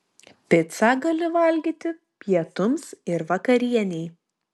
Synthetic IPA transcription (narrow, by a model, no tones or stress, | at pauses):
pʲɪt̪sɑɡɐlʲɪʋɐlʲɡʲiːt̪ʲɪ | pʲjiɛt̪ʊmsɪɾʋɐkɐɾʲiɛnʲɛɪ